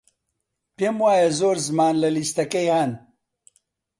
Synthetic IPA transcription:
peːmwaːjɐzoːɾzɨmaːnlɐlist̪ɐkɐjhaːn

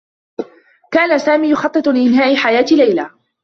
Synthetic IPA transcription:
kaːnasaːmiːjʊxɑt̪ˤːɨt̪ˤlɪʔɪnɦaːʔɪħajaːt̪ɪlajla

